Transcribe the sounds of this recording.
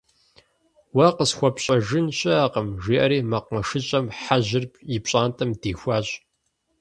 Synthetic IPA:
wɐqəsxʷɔpɕʼɐʒɪnɕʼɐaːqəmʒiːʔɐɾiːmɐq̚mɐʂɨɕʼɐmħaʑɪrpʰjɪpɕʼaːntʰʼɐmdiːxʷɑːɕʼ

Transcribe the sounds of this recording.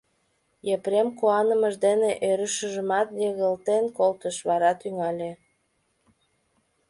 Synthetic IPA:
jepɾemkoɑnəməʒd̪eneʔøɾəʃəʒəmɑt̪jeɣəlt̪enkolt̪əʃβɑɾɑt̪yŋɑlʲe

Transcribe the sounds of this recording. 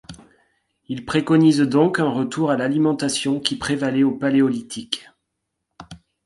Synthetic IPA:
ilpχekɔnizd̪ɔ̃kɛ̃ʁət̪uʁalalimɑ̃t̪asjɔ̃kʲipχevalɛopaleɔlit̪ʰik

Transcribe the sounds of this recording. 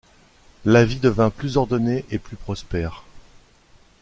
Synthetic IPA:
lavid̪əvɛ̃plyzɔʁd̪ɔneʔeplypχɔspɛːʁ

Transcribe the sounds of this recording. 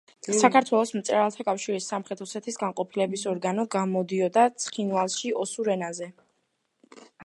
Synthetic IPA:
sakʰaɾt̪ʰwɛlˠɔsmt̪sʼɛɾalˠt̪ʰakʼafʃiɾisːamχɾɛt̪ʰusɛt̪ʰisɡaŋqʼɔpʰilɛbisɔɾɡanɔɡamɔd̪iɔd̪at̪sʰχinvalˠʃiɔsuɾɛnazɛ

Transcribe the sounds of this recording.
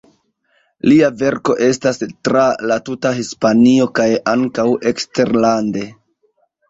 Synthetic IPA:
liave̞ɾko̞ʔe̞stastɾalatutaɦispanio̞kajaŋkawe̞kste̞ɾlande̞

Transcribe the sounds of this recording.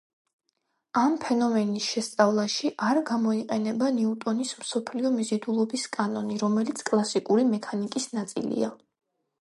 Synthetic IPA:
ampʰɛnɔmɛnisʃɛst̪sʼavlˠaʃiʔaɾɡamɔiqʼɛnɛbaniut̪ʼɔnismsɔpʰliɔmizid̪ulˠɔbiskʼanɔniɾɔmɛlit̪sʰkʼlˠasikʼuɾimɛkʰanikʼisnat̪sʼḭlḭa

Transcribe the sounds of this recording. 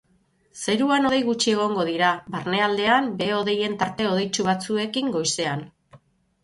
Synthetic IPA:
se̞ɾuano̞ðejɣut͡ʃie̞ɣ̞o̞ŋɡo̞ðiɾaβarne̞ald̪e̞ambe̞o̞ðe̞je̞nt̪aɾt̪e̞o̞ð̞e̞jt͡ʃuβat͡sue̞kiŋɡo̞jse̞an

